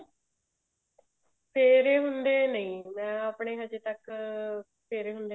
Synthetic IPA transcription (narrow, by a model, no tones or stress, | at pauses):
pʰeːɾeːɦʊnd̪eːnəĩːmɛ̃ːəpɳeːɦəd͡ʒeːt̪ək | pʰeːɾeːɦʊnd̪e